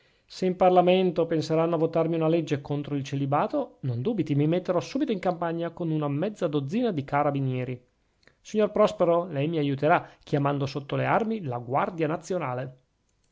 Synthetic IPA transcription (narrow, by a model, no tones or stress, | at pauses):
seimparlament̪openseɾanːoavot̪armiunaled͡ʒːekont̪ɾoilt͡ʃelibaːt̪onond̪uːbit̪imimet̪ːeɾɔsuːbit̪oiŋkampaɲːakonunamɛd̪zːad̪od̪zːiːnad̪ikaɾabinjɛːɾi | siɲːorpɾɔspeɾolɛjmiajut̪eɾakʰjamand̪osot̪ːolearmilaɡward̪janat̪sːjonaːle